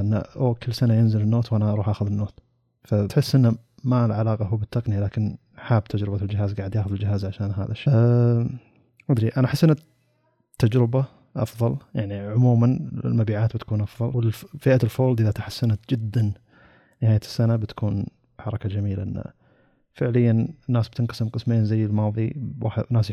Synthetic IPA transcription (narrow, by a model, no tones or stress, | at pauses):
ʔɪnːa̰ʔoːkʰɪlːsanajɪnzɪlɪnːoːt̪wanaɑɾuːħʔaːxʊðɪnːoːt̪ | fat̪ħɪsːʔɪnːa | malʕalaːqɑɦuːbɪt̪ʰːaqnɪjalaːkɪn | ħaːbt̪ʰad͡ʒɾɪbald͡ʒɪɦaːzɡaːʕd̪jaːxʊðɪld͡ʒɪɦaːzʕaʃaːnɦa̰ːðaʃe | ʔʊd̪ɾiʔanaʔaħɪsːʔɪnːa | t̪ːad͡ʒɾɪba | ʔɑ̰fðˤɑljaʕniʕʊmuːmanɪ̰lmabiːʕaːt̪̚bɪt̪kuːnʔɑfðˤɑlwɪlfiːʔalfoːld̪ʔɪðat̪ħasːanat̪d͡ʒɪd̪ːan | nɪhaːjasːanabɪt̪ḁkʰuːn | ħɑɾˤɑkad͡ʒamiːlaʔɪnːa̰ | fɪʕlɪjːanɪnːaːsb̥̚t̪ɪnqɑ̥sɪmqɨsmeːnzajːɪlmɑːðˤiwa̰ħnːaːs